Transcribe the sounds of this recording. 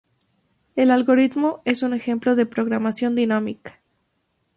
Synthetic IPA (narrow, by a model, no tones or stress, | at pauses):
e̞lalɣo̞ɾit̪mo̞e̞sune̞xe̞mplo̞ðe̞pɾo̞ɣɾamasjo̞nd̪inamikḁ